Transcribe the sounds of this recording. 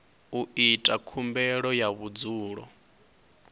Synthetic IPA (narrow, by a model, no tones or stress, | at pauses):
uitʼakʰumbɛɺɔjaβud͡zuːɺɔ̰